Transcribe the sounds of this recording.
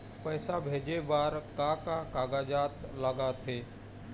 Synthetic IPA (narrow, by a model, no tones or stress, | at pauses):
pəːsabʱeːd͡ʒebaːɾkakakaɡad͡ʒaːt̪ləɡat̪ʰe